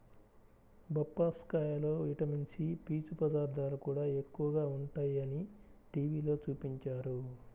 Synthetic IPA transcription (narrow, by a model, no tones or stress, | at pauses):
bɐpːaːskaːjɐlo̞ːiʈɐmiɲt͡ʃipiːt͡ʃupɐd̪aːɾd̪ʱaːlukuːɽaːe̞kːuʋɐɡaːuɳʈaːjɐniʈiːʋiːlo̞ːt͡ʃuːpiɲt͡ʃaːɾu